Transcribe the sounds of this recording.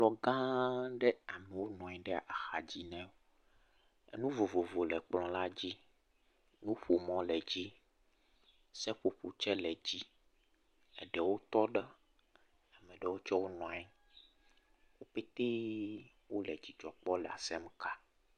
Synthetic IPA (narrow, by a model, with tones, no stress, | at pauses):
lɔ˨ɡã˦ɖe˦a˨mẽ˨wo˦nɔ̃˨ɛ˦ɖɛ˦a˨ʔa˨xa˨d͡ʑi˦nɛ̃˦wo˦ | ḛ˦nũ˦vo˨vo˨vo˨lɛ˨k͡plɔ̃˨la˦d͡ʑi˦ | nũ˦ɸo˨mɔ̃˨lɛ˨d͡ʑi˦ | sɛ˦ɸo˨ɸu˨t͡ʃɛ˦lɛ˨d͡ʑi˦ | ɛ̰˨ɖɛ˨wo˦t̪ɔ˦ɖe˦ | a˨mẽ˨ɖɛ˨wo˦t͡ʃɔ˦wo˦nɔ̃˨ɛ˦ | wo˦pe˦t̪e˦ | wo˦lɛ˨d͡ʑi˨d͡ʒɔ˨k͡pɔ˦lɛ˨a̰˨sɛ˦m˦ka˦